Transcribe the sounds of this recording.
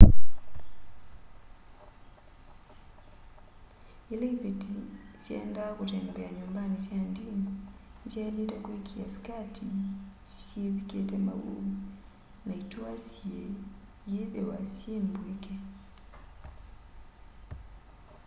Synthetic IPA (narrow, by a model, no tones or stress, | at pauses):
ilevitisjɛ̰ndakutɛmbɛaɲumbanisjandiniɲd͡ʒalitakwikʰiasi̥katʰisjeβiketɛma̰wṵ | naituasje | jiðɛwasjembweke